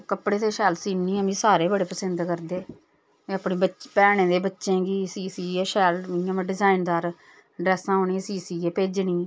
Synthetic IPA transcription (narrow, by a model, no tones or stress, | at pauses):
kəpɽeːt̪eːʃɛːlsiːniːɛmĩːsaːɾeːbəɽeːpəsənd̪kəɾd̪eː | eəpɳeːbəpɛːɽ̃ẽːd̪eːbətːʃẽːɡiːsiːsiːeːʃɛːlɪjãːm̃ɖɪzaːɪnd̪aːɾ | ɖɾɛːsãːɦoːniːɛ̃ːsiːsiːeːpeːd͡ʒɳĩː